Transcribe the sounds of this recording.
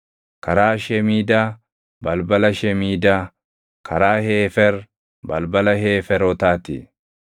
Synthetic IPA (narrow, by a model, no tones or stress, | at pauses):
kɐɾaːʃɛmiːd̪aː | bɐlbɐlɐʃɛmiːd̪aː | kʰɐɾaːheːfɛɾ | bɐ̰lbɐlɐɦeːfɛɾɔt̪aːt̪ɪ̰